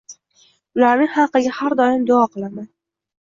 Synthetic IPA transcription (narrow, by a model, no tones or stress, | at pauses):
ʊlaɾnɪŋhɑqːɨɡʲahaɾd̪ɒɪmd̪ʊɒqʰɨlˠaman